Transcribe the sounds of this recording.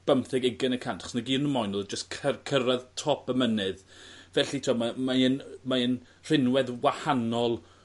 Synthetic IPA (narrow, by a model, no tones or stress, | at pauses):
b̥əmθɪɡɪɡɪnəkʰantʰḁχsnaɡiːnəmɔjnɔlˠd͡ʒəskʰəkʰəɾaðtʰɔpʰəmənɨðvɛɬitʰiamamaɪnmaɨn | r̥ɪnwɛðwahanɔlˠ